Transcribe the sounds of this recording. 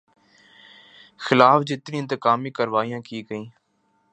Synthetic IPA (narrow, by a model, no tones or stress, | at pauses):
xɪlaːfd͡ʒɪt̪nĩːɪnt̪əkaːmiːkəɾʋaːijãːkiːkəĩː